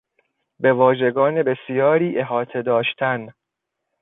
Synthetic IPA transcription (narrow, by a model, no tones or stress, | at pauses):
be̞vɒːʒe̞ɡɒːne̞be̞sijɒːɾiːʔe̞ɦɒːt̪ʰe̞d̪ɒːʃt̪ʰæn